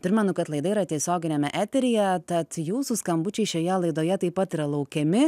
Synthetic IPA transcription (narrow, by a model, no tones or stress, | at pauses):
pʲɾʲɪmʲɛnʊkɐt̪lˠɐɪd̪ɐiːɾɐt̪ʲiɛsʲoːɡʲɪnʲɛmʲɛʔæːt̪ʲɛɾʲɪjɛt̪ɐt̪juːsuskɐmbʊt͡ʃʲɛɪʃʲoːjɛlˠɐɪd̪oːjɛt̪ɐɪpːɐt̪iːɾɐlˠɐʊkʲɛmʲɪ